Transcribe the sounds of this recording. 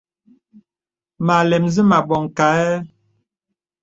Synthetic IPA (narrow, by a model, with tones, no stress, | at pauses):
ma˨lɛ˨mzi˦ma˨ɓɔ˨ŋ˨ka˨˦ɛ˦